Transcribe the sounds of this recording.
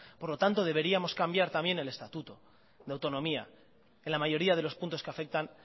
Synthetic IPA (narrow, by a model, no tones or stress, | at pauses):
po̞ɾlo̞t̪ant̪o̞ð̞e̞β̞e̞ɾiamo̞skambjaɾt̪ambje̞ne̞le̞st̪at̪ut̪o̞ | ðeawt̪o̞nõ̞mia̰ | enlamaʝo̞ɾiað̞e̞lo̞spunt̪oskeafe̞k̚t̪an